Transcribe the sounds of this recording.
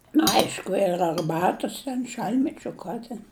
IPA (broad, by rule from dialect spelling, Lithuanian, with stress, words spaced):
nʊ ˈɐɪʃkʊ ɪr ɐrˈbɑːtʊs tʲɛn ˈʃɐlʲtʲmʲɛt͡ʃʲʊ ˈkɐ tʲɛn